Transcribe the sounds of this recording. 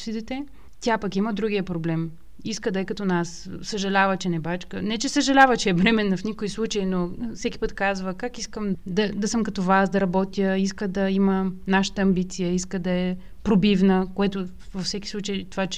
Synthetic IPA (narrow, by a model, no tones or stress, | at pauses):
sid̪ɛt̪ɛ | t̪ʲapɐkiməd̪ɾuɡʲijəpɾoblɛm | iskəd̪əjkɐt̪ɔnas | səʒɐlʲavət͡ʃɛnɛbat͡ʃkənɛt͡ʃɛsəʒɐlʲavət͡ʃɛɛvɾɛmɛnːɐfnikoislˠut͡ʃəinofsɛki̥pət̪kazvəkakiskəmd̪ɐd̪ɐsəmkɐt̪ovasd̪ɐɾɐbɔt̪jəiskəd̪ɐimənaʃə̥t̪əɐmbit̪sijəiskəd̪ɐɛ | pɾobivnəkoɛt̪o | vɐfsɛkisˠut͡ʃəjt̪ovat͡ʃ